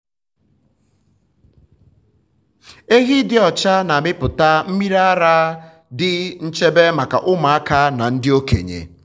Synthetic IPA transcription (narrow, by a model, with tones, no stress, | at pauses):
e˦ɦi˦dɪ˦ɔ˨t͡ʃa˦na˨mɪ˦pʊ˨ta˦m̩˦mi˦ɾa˦a˦ɾa˦ | dɪ˦n̩˦t͡ʃe˦be˦ma˨ka̰˨ʔʊ˦ma˨a˦ka˦na˨n̩˦dɪ˦o˦kḛ˨ɲḛ˨